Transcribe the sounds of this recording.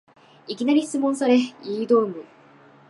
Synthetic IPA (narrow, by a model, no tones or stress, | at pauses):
ikʲinaɾʲiɕt͡sɨmːõñsaɾeiːd̪oːmɯ̟